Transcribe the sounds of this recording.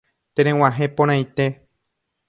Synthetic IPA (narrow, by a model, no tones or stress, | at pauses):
t̪ẽɾ̃ẽw̃ãɦẽpõɾ̃ãj̃t̪e